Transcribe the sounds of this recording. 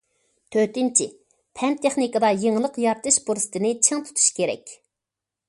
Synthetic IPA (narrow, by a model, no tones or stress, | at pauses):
t̪ʰøt̪ɪnt͡ʃʰi | pʰɛnt̪ʰeχnikɑd̪ɑjeŋlˠəqjɑɾt̪ɨʃbuɾsɨ̥t̪ʰɨnɪt͡ʃʰeŋt̪ʰu̥t̪ʰu̥ʃkʲeɾɛ̰kʲ